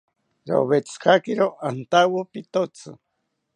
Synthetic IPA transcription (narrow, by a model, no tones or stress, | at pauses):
ɾo̰βet͡skʰakiɾoʔant̪awopit̪ot͡sʰɨ̰